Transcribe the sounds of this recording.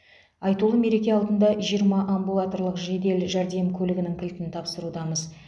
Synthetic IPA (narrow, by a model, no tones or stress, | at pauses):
ɑjt̪ulˠəme̞ɾe̞kʲe̞ɑlˠd̪ənd̪ɑʒijəɾmɑʔambulˠat̪oɾlˠəqʒe̞d̪e̞lʒæɾd̪e̞mkʲʰɵlɪɡʲɪnɪŋkʲʰɪlt̪ɪnt̪ʰɑpsəɾud̪ɑməz